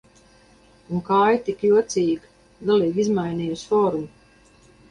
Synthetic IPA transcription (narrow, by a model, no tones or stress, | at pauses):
uŋkaːjt̪ikjuɔt̪siːɡ | ɡaliːɡizmajniːjusfɔːɾum